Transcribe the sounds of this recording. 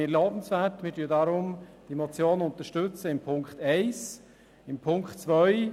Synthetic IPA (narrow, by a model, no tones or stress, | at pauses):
ɪːɾlɑːbən̩svætmɪːɾtyːədaɾʊmd̥imɔt͡sjoːnʊnt̪əʃtɵt͡səɪmpʰʊŋkχtɛɪs | ɪmpʰʊŋktt͡sʋœʏ